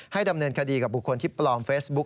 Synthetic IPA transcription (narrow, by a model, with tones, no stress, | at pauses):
ha˥˩jda˧mnɤː˧nkʰa˧diː˧ka˨˩bu˨˩kʰːo˧nt̪ʰiː˥˩plɔː˧mfeː˦˥sbu˦˥k̚